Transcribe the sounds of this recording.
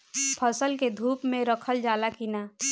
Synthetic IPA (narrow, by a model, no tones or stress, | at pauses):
pʰəsəlked̪ʱuːpmẽɾəkʰəld͡ʒaːlakinaː